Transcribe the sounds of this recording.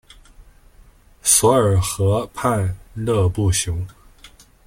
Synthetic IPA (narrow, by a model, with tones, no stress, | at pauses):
swɔ˧˥ə˞˨˩xɤ˧˥pʰa˥˧nlɤ˥˧pu˥˩ɕjʊ˧˥ŋ